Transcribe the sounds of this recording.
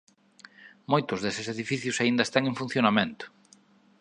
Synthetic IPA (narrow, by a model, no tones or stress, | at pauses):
mojt̪ʊzðesɪseðifiθjʊsaind̪ɐest̪aŋeŋfun̟θjonamẽnt̪ʊ̥